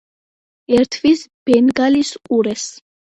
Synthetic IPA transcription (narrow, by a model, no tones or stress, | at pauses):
ɛɾt̪ʰvisb̥ɛnɡalisʼuɾɛs